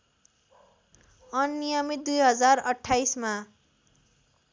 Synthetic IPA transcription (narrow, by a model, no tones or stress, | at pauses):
ʌnːijʌmit̪̚d̪ujɦʌd͡zarʌʈʰːajsma